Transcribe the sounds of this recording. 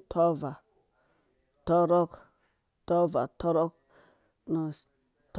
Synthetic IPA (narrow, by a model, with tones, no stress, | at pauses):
tʰo˦va˨ | to˦ɾo˦k | to˦va˨to˦ɾo˦k | nu˨ | t